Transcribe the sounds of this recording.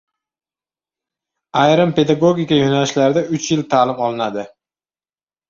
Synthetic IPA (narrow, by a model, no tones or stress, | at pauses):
ajɾampʰe̞d̪aɡoɡʲikʲajonalɪʃlaɾɪd̪aʊt͡ʃʰjɪlt̪ʰaːlɪmɒlˠɪnad̪ɪ